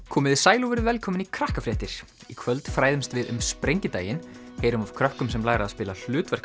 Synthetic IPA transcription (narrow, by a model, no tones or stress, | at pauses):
kʰɔːmɪðɪsaːjluvɛɾʏvɛlkʰɔːmɪnikʰɾahkafɾɛːht̪ɪɾ̥ | ikʰvœlt̪fɾaːjðɪmst̪vɪðʏ̰mspɾeɲcɪt̪aːjɪn | heːjɾʏmav̥kʰɾœhkʏmsɛmlaːɣɾaːðspɪːlal̥ʏːt̪vɛr̥k